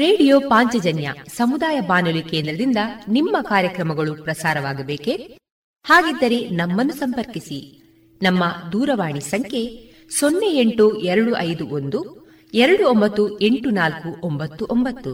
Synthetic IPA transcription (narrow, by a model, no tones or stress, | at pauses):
ɾe̞ːɽijoːpaːɲt͡ʃɐd͡ʒɐnjɐ̰sɐmud̪aːjɐbaːnulikeːnd̪ɾɐd̪ind̪ɐnimːɐkaːɾjɐkɾɐmɐɡɐɭupɾɐsaːɾɐʋaːɡɐbeːke̞ | haːɡid̪ːɐɾe̞nɐmːɐnːusɐmpɐɾkisi | nɐmːɐd̪uːɾɐʋaːɳisɐŋkʰe̞ | sonːeeɳʈuɛɾɐɽuʔɐjd̪uʔond̪u | ɛɾɐɽuombɐt̪ːue̞ɳʈunaːlkuʔombɐt̪ːuʔombɐt̪ːu